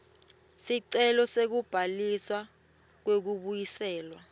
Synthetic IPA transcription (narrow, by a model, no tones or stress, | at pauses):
siǀɛlɔsek̬ub̥ʱaliswa | k̬wek̬uɓujisɛːlwa